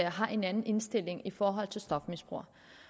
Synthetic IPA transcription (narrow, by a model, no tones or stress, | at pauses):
ɐɦɑ̈ʔe̝nænn̩e̝nsd̥e̝l̰e̝ŋifɒːɦɒ̽l̰t͡sʰe̝lsd̥ɒ̽fmisb̥ʁṵɐ